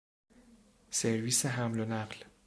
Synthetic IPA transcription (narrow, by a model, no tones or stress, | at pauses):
seɾviːseɦæmlonæɢl